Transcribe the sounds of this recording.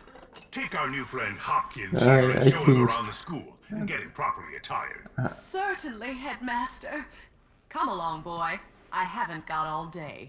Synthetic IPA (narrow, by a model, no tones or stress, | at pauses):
tʰeɪkaʊə˞nʉfɹɛ̃nd̚hʌkʰɪ̃naa̰iʊ̃nðəskulˠɨ̃nɡɛɾɨ̃mpʰɹ̥ɑpə˞lḭɨtʰaɪə̰˞sɜ˞ʔn̩liɦɛd̚mæstə˞ | kʰʌ̃məlɔ̃ŋbɔɪ | ʔaɪɦævɨ̃nɡ̥ɑɾɔlˠdeɪ